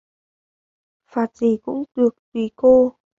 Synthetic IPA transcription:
faː˨˩t̚zi˧˩kʊ̰˧˥ŋ͡mɗɨ˨˩ək̚t̪wi˨˩ko˧

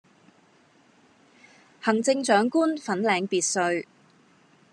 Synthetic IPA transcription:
hɐ˨˩ŋt͡sɪ˧ŋt͡ʃœː˨˥ŋkuː˥nfɐ˨˥nlɛː˨˧ŋpiː˨˧t̚sɵ˨˧ɥ

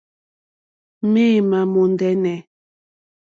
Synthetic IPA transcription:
me˦˨ma˨mo˨ndɛ˦nɛ˨

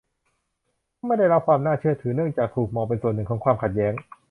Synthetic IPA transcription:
a˥˩ma˥˩jda˥˩jɾa˦˥p̚kʰwaː˧mnaː˥˩t͡ɕʰɯ˥˩ɐt̪ʰɯː˩˦nɯ˥˩əŋt͡ɕaː˨˩k̚t̪ʰuː˨˩k̚mɔː˧pe˧nsu˨˩ənːɯ˨˩kʰɔː˩˦kwaː˧mkʰa˨˩jɛː˦˥ŋ

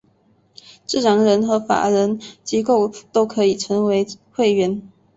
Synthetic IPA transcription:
ʈ͡ʂ̩˥˩ʈ͡ʂɑ˧˨˥ŋɻə˧˥nxɤ˧˥fa̰˨˩ɻə˧˥nt͡ɕi˧˥ko˥˨ʊt̪o˥ʊkʰɤ˧˥i˨˩ʈ͡ʂʰə˧˥ŋwe˧˥ɪxwe˥˩ɪɥɛ˧˥n

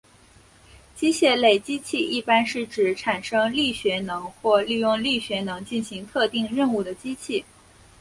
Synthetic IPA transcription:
t͡ɕi˥ɕjɛ˥˩le˨˩ɪt͡ɕi˥t͡ɕʰi˥˧i˥˩pa˥nʂɻ̩˥˩ʈ͡ʂɻ̩˨˩˥ʈ͡ʂʰa˨˩nʂɤ˥ŋli˥˩ɕɥɛ˧˥nɤ˧˥ŋxwɔ˥˧li˥˧jʊ˥˧ŋli˥˩ɕɥɛ˧˥nɤ˧˥ŋt͡ɕi˥˩nɕi˧˥ŋt̪ʰɤ˥˧t̪i˥˧ŋɻə˥˧nu˥˩d̪ə˩t͡ɕi˥t͡ɕʰi˥˩

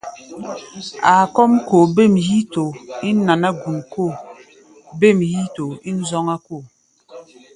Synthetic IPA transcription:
a˨kɔ˦mko˨be˦˨mji˦to˨i˦na˨na˦ɡu˨nko˦˨ | be˦˨mji˦to˨i˦n̩˦zɔ˦ŋa˦ko˦˨

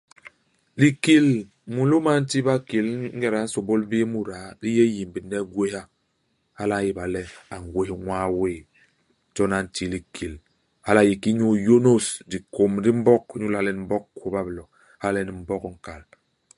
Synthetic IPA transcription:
li˨ki˦˨l | mu˨lo˦ma˦n̩˦ti˦ba˦ki˨lŋ̩˦ɡɛ˦˨ɾa˨˦n̩˦so˨bo˦lbe˦mu˨ɾa˨li˦je˦ji˨m˨bi˨nːɛ˦ɡwe˦ha˦ | ha˦la˦ji˨ba˨lɛ˦a˨ŋ˨ɡwe˦hŋwaː˦weː˦˨˦ | d͡ʒɔ˦na˨n̩˨ti˦li˨kʰi˨l | ha˦la˨ji˨ki˦ɲu˦jo˦no˦sdi˨ko˨mdi˦m̩˦bɔ˦kɲu˦la˦˨lɛ˦n˨m̩˦bɔ˦kko˨ba˦blɔ˨ | ha˦lɛ˦ni˨m̩˨bɔ˦kŋ̩˨ka˨l

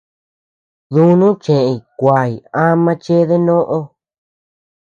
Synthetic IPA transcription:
ðũ˦nũ˦t͡ʃẽ˨ʔẽ˧˨kʷa˨i˨ã˦mã˧t͡ʃe˦ðe˦nõ˦ʔo˧

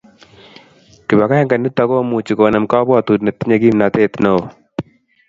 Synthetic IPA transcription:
kɪ˨ba˨ka˦ɛ˦ŋɡa˨nu˦t̪a˦ko˦mu˨t͡ʃi˨ko˨na˨mka˦bɔ˦˨t̪u˨dne˨t̪ɪ˦ɲa˨ɡi˦mna˨t̪e˦t̪no˨

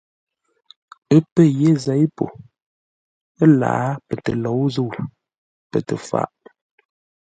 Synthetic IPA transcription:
ə˦pə˦je˦zɛ˨˦jpo̰˨ | ə˦la̰˨˦pə˨tə˨lɔ˨˦wzə˦˨w | pə˨tə˨fa̰˦˨ʔ

